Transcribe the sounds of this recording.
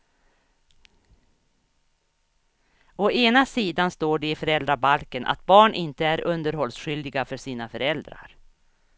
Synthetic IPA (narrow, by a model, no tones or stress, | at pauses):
ɔeːnasiːd̪anst̪oːɖɛɪfœɾɛld̪ɾabalkənʔa̰t̪bɑːɳʔɪnt̪əæɾʔɵnd̪əɾɦɔlsɧʏld̪ɪɡafœʂiːnafœɾɛld̪ɾa̰ɾ